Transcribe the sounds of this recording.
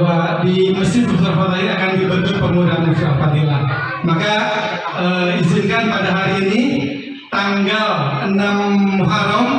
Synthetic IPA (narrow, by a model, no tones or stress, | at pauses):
badiməsɪbust̪afat̪aliakandibənt̪upərmudanmət̪iapat̪ila | maka | əizinkanpadaɦaɾiːni | t̪aŋɡalənamɦaɾɔm